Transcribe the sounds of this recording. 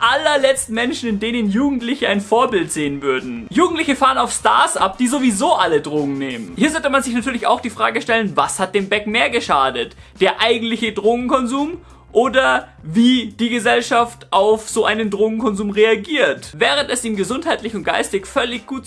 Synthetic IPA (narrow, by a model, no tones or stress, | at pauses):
ʔalɐlɛt͡stn̩mɛnʃn̩ɪndeːnənjuːɡŋ̩tlɪçəaɪnfoːɐbɪltz̥eːənvʏɐdn̩juːɡŋ̩tlɪçəfaːʁənaʊfsta̰ɐsʔa̰p̚d̥iːzovizoːʔalədʁoːɡŋ̩neːmənhiːɐzɔltəmanzɪçnatʰyːɐlɪça̰ʊxd̥iːfʁ̥aːɡəʃtɛlənvashat̚d̥eːmbɛkmeːɐɡəʃaːdətd̥eːɐʔaɪɡŋ̩tlɪçədʁoːɡŋ̩kɔnzuːm | ʔoːdɐviːd̥iːɡəzɛlʃaftʔaʊfz̥oːʔaɪnəndʁoːɡŋ̩kʰɔnzuːmʁeaɡiːɐtvɛːʁ̞əntɛsʔiːmɡəzʊnthaɪtlɪçʊntɡ̥a̰ɪstɪçfœlɪçɡ̥uːt̚